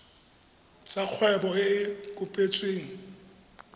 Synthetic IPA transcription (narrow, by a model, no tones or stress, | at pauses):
t͡sʼak͡xʰwɛbɔkʼʊpʼet͡sʼweːŋ̩